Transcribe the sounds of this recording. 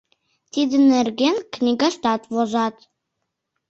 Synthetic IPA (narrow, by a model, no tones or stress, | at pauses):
t̪id̪ɘ̆nɘ̆rɡʲenknʲiɡɑʃt̪ɑt̪βoʒɑt̪